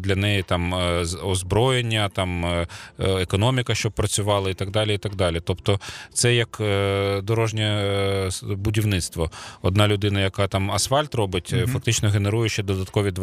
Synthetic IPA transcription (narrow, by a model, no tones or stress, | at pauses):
d̪lʲɐnɛjit̪ɑmɔzbɾɔjenʲːɐt̪ɑm | ekɔnɔmʲikɐʃt͡ʃɔb̚pɾɐt͡sʲʊʋɑlˠɐit̪ɐɡd̪ɑlʲiit̪ɐɡd̪ɑlʲit̪ɔpt̪ɔt̪sɛjɐkd̪ɔɾɔʒnʲɛ | bʊdʲiwnɪt̪st̪ʋɔɔd̪̚nɑlʲʊd̪ɪnɐjɐkɑt̪ɑmɐsfɑlʲt̪rɔbɪtʲfɐkt̪ɪt͡ʃnɔɣe̞neɾujʊʃt͡ʃːɛd̪ɔd̪ɐt̪kɔʋʲid̪